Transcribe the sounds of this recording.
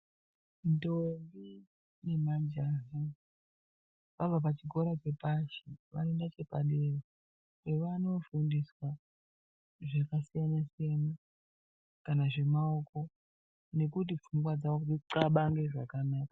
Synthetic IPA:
ndombi | ne̞mad͡ʒaɦa | ʋavap̬at͡ʃiɡʱo̞ɾat͡ʃe̞paʃiʋaendat͡ʃe̞paɗera | kweʋano̞fundiswa | ʐakasijanasijana | kanaʐe̞maoko̞ | ne̞kut̬ip͡fuŋɡwad͡zaʋokuiǀaɓaŋɡe̞ʐakanakḁ

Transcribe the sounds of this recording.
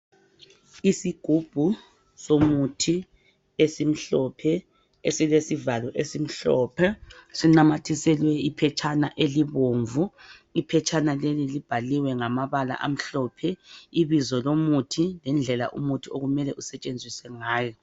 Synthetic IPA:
isiɡ̥ʱub̥ʱu | somutʰi | esim̩ɬɔpʰɛ | esilesivalɔʔesim̩ɬɔːpʰɛsiŋ͡ǀamatʰisɛlwɛipʰɛt͡ʃʰʼanaʔeliβoːɱvu | ipʰɛt͡ʃʰʼanalelilib̥ʱaliwɛŋamaβala̰ʔam̩ɬɔpʰɛiβizɔlomutʰilɛnd͡ɮʱɛla̰ʔṵmutʰioɣumɛlɛʔusɛt͡ʃʼend͡zʱisɛŋaːjɔ

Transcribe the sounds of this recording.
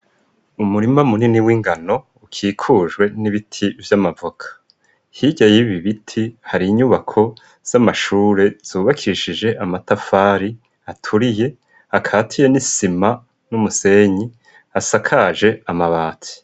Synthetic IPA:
umuɾimamuniniwiːŋɡano̞ | ukʰiːkʰuʒwe̞niβitʰivjamavukʰḁ | hiɟajiβiβitʰihaɾiːɲuβakʰo̞ | z̥amaʃuːɾe̞z̥uːβakʰiɾiʃid͡ʒe̞ʔamatafaːɾi | atʰuɾije̞ | akʰaːtʰije̞nisima | numuse̞ɲi | asakʰad͡ʒe̞amaβaːtʰi̥

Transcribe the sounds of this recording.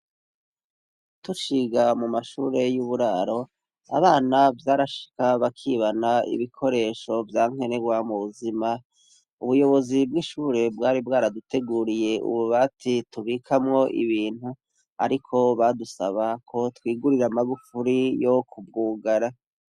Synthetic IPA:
tuʃiɡamumaʃṵːɾe̞juβuɾaːɾo̞ | a̰βaːnavjaːɾaʃi̥kaβakʰiːβanaḭβikʰo̞ɾe̞ːʃo̞vjaːŋ̥e̞neɡwamuβuzima | uβujo̞βo̞zibɡiːʃuːɾe̞bɡaːɾibɡaːɾadutʰe̞ɡuːɾije̞ṵβuβaːtʰituβiːkʰamŋo̞ʔḭβiːn̥hu | a̰ɾikʰo̞βadusaβakʰo̞twiːɡuɾiɾamaɡufuɾijo̞kʰub̚ɡuːɡaɾa

